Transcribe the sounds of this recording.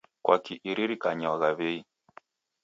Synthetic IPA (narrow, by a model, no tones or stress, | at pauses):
kwakiʔiɾiɾikaɲaaɣaβɛi